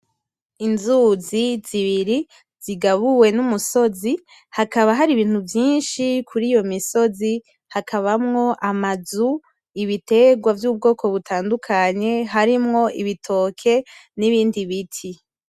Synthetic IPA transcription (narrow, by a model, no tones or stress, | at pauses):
inzuziz̥iβiɾi | z̥iɡaβuwe̞numuso̞zi | hakaβaɦaɾiβiːn̥huvjiːnʃikʰuɾiːjo̞miso̞zi | hakaβamŋo̞ʔamazu | iβite̞ɡwavjuːb̚ɡo̞ːkʰo̞βutʰaːndukʰaɲe̞ɦaɾimŋo̞ʔiβitʰo̞ːkʰe̞niβiːndiβitʰi